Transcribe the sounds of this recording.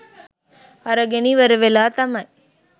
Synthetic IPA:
ɐɾɐɡeniʋɐɾɯʋelaːt̪ɐmɐj

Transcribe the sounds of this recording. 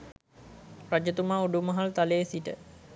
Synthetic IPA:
rad͡ʒət̪umaːuɖumɐɦalt̪alejsiʈə̰

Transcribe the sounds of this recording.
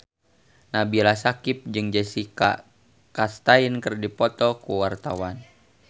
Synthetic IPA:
nabilasakip̚d͡ʒɨŋd͡ʒasika̰ | kast̪ainkɨrdipɔt̪ɔkuwart̪awan

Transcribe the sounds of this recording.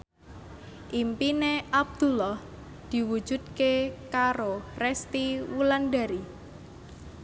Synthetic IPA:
ʔimpineʔab̚d̪̥ṳlɔh | d̪̥i̤wu̥d͡ʒ̥ṳd̪̚kekaɾorɛst̪iwulanda̤ɾi

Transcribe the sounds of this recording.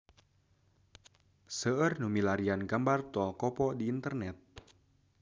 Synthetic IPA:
səərnumilaɾianɡambart̪ɔlkɔpɔdiːnt̪ərnɛt̪̚

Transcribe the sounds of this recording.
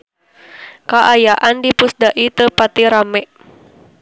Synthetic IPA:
kaʔajaʔandipusdaʔit̪əpat̪iɾamɛʔ

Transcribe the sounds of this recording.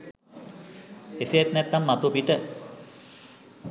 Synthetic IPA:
esejet̪nɛt̪ːamːat̪upiʈə

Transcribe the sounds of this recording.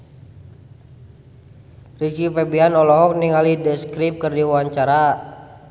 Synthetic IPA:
rit͡ʃifɛbianɔlɔɦɔk̚niŋalidəskɾip̚kərdiwaɲt͡ʃaɾa

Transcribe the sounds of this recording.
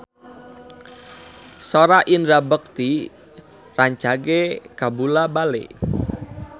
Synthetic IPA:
soɾaʔinɾabək̚t̪i | raɲt͡ʃakekabulabalḛ

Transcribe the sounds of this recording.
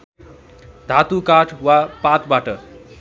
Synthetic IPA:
d̪ʱat̪ukaʈʰwapat̪baʈʌ

